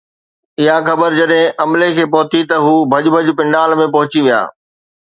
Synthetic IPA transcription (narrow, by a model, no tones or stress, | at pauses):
ɪɦaxɐbəɾd͡ʑɐɗɦɪ̃ʔɐmlekʰeːpɐɦʊt̪it̪ɐɦuːbʱɐʄbʱəʄpɪ̃ɳɖaːlmẽpɐɦʊt͡ɕiʋija̰ː